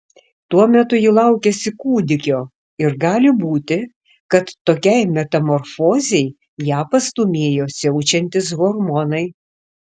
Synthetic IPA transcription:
t̪uɔmʲɛt̪ʊjɪlˠɐʊkʲɛsʲɪkuːd̪ʲɪkʲoː | ɪɾɡɑːlʲɪbuːt̪ʲɪ | kɐt̪ːoːkʲɛɪmʲɛt̪ɐmɔɾfoːzʲɛɪ | jæːpɐst̪umʲeːjoːsʲɛʊt͡ʃʲɛnʲt̪ʲɪsɣɔɾmɔnɐɪ

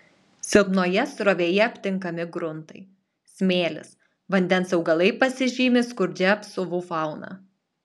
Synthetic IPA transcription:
sʲɪlˠpnoːjɛsɾoːʋʲeːjɛɐpʲt̪ʲɪŋkɐmʲɪɡɾʊnt̪ɐɪ | sʲmʲeːlʲɪ̰s | ʋɐnʲd̪ʲɛnsɐʊɡɐlˠɐɪpɐsʲɪʒʲiːmʲɪskʊɾʲd͡ʒʲɛɐpsʊʋʊfɑˑʊnɑ̰ː

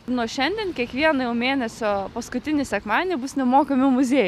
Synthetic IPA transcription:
noɔʃʲɛnʲd̪ʲɛnkʲiɛkʋʲiɛnɐjɛʊmʲeːnʲɛsʲoːpɐskʊt̪ʲɪnʲɪsʲɛkmɑːnʲɪːbʊsnʲɛmoːkɐmʲɪmʊzʲeːj

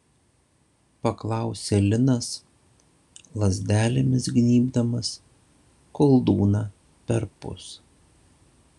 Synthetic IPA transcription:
pɐklˠɑˑʊsʲɛlʲɪnɐs | lˠɐzʲd̪ʲæːlʲɪmʲɪsɡʲnʲiːbd̪ɐmɐs | kɔlˠd̪uːnɑː | pʲɛɾpʊ̰s

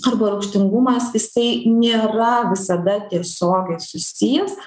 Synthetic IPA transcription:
ɐɾbɐɾɐʊkʃʲt̪ʲɪŋɡʊmɐsɪsɐɪnʲeːɾɐʋʲɪsɐd̪ɐt̪ʲiɛsʲoːɡʲɛɪsʊsʲijɛs

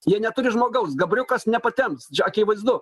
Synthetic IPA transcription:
jiɛnʲɛt̪ʊɾʲɪʒmoːɡɐʊsɡɐbʲɾʲʊkɐsnʲɛpɐt̪ʲɛmpst͡ʃʲɛɐkʲiːʋɐɪzd̪ʊ

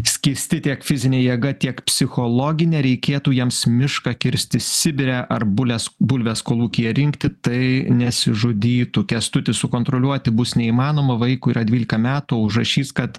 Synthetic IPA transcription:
sʲkʲiːɾʲsʲt̪ʲɪt̪ʲiɛkfʲɪzʲɪnʲeːjiɛɡɐt̪ʲiɛkpʲsʲɪxoːlˠoːɡʲɪnʲɛɾʲɛɪkʲeːt̪uːjiɛmsmʲɪʃkɑkʲɪɾʲsʲt̪ʲɪsʲɪbʲɪɾʲæːʔʔɐɾbʊlʲɛsbʊlʲʋʲɛːskoːlˠuːkʲijɛɾʲɪŋkt̪ʲɪt̪ɐɪnʲɛsʲɪʒʊd̪ʲiːt̪ukʲɛst̪ʊt̪ʲɪsʊkoːnt̪ɾoːlʲuɔt̪ʲɪbʊsnʲɛiːmɑːnoːmɐʋɐɪkuːiːɾɐd̪ʲʋʲiːlʲɪkɐmʲæːt̪uoʊʒrɐʃʲiːskɐt̪

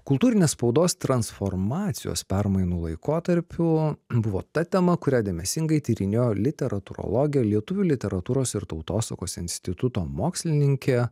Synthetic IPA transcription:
kʊlˠt̪uːɾʲɪnʲeːsspɒʊd̪oːst̪ɾɐnsfoɾmɑːt̪sʲɪjo̰ːspʲæɾmɐɪnuːlˠɐɪkoːt̪ɐɾʲpʲʊbʊʋo̰ːt̪ɐt̪ʲɛmɐkʊɾʲæːd̪ʲeɛmʲɛsʲɪŋɡɐɪt̪ʲiːɾʲɪnʲeːjoːlʲɪt̪ʲɛɾɐt̪ʊɾo̰lˠoːɡʲɪjɛlʲiɛt̪ʊʋʲulʲɪt̪ʲɛɾɐt̪uːɾoːsɪɾt̪ɒʊt̪oːsɐ̰koːsɪnʲsʲt̪ʲɪt̪ʊt̪oːmoːksʲlʲɪnʲɪŋʲkʲeː

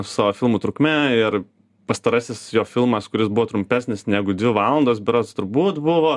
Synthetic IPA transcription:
sɑːʋoːfʲɪlˠmuːt̪ɾʊkmʲɛɪɾ | pɐst̪ɐɾɐsʲɪsjoːfʲɪlˠmɐskʊɾʲɪsbʊʋoːt̪ɾʊmʲpʲæsʲnʲɪsnʲæːɡʊd̪ʲʋʲɪʋɑːlˠɐnd̪oːsbʲɪɾoːst̪ʊɾbuːt̪bʊʋoː

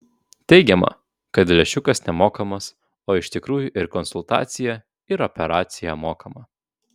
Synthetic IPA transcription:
t̪ʲɛɪɡʲɛmɐ̰ | kɐt̪lʲɛʃʲʊkɐsnʲɛmoːkɐmɐs | oːɪʃʲt̪ʲɪkɾuːjʊʔɪɾkɔnsʊlˠt̪ɑ̰ːt̪sʲɪjɛ | ɪɾɔpʲɛɾɑːt̪sʲɪjɛmoːkʰɐmɐ

